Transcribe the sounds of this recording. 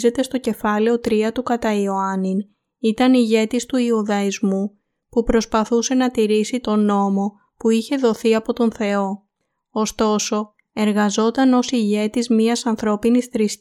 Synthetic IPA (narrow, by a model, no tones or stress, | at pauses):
ze̞t̪e̞st̪o̞ce̞fɐleo̞t̪ɾiɐt̪ukɐt̪ɐio̞ɐnin | it̪ɐniʝe̞t̪ist̪uiuðɐizmu | pupɾo̞spɐθuse̞nɐt̪iɾisit̪o̞no̞mo̞ | puiçe̞ðo̞θiɐpo̞t̪o̞nθe̞o̞ | ost̪o̞so̞ | e̞ɾɣɐzo̞t̪ɐno̞siʝe̞t̪izmiɐsɐnθɾo̞pinisθɾis